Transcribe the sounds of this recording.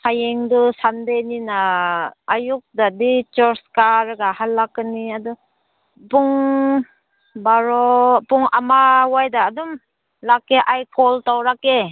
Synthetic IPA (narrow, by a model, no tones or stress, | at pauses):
sʰajeŋdɔsandeninaː | juk̚dadit͡ʃɔɾskaɾɡahalːakɯniadɔ | puŋ | baɾɔpuŋamawajdaːdum | lakeʔajkʰɔltawɾake